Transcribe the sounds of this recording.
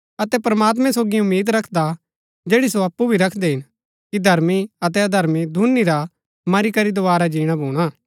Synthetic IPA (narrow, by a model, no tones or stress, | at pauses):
ɐt̪ɛpɾɐmaːt̪̬mɛ̃soːɡiʊmːiːd̪ɾɐkʰd̪a | d͡ʒeːɽisoɐpːubʱiɾɐkʰd̪eɦɪn | kid̪ʱɐɾmiɐt̪̬ɛɐd̪ʱɐɾmid̪ʱunːiɾa | mɐɾikɐɾid̪oʋaːɾad͡ʒiːɽ̃abʱuːɽ̃aː